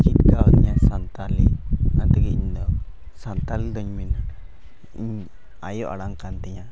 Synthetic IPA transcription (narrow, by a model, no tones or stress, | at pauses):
t͡ʃit̪̚kaɔt̪ɲasant̪alɛ̰and̪ɛɡɛiɲd̪ɔ | sant̪ald̪ɔɲmina | iɲ | ajɔʔa̰ɽaŋkant̪ɛɲa